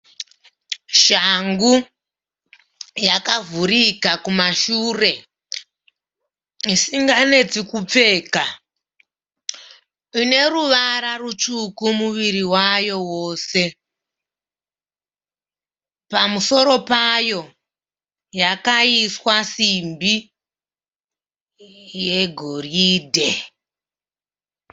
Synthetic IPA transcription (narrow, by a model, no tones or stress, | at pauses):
ʃaŋɡu | jakavuɾikakumaʃure̞ | isiŋɡane̞d͡zikup͡fe̞ːka | ine̞ɾuʋaɾarut͡ʃukumuʋiɾiwajo̞woːse̞ | pamuso̞ɾo̞pajo̞ | jakaiswasimbi | je̞ɡʱo̞riːdʱe